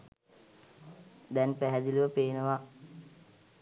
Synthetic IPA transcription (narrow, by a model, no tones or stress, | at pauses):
d̪ɛnpæɦɛd̪iluʋəpeːnəʋa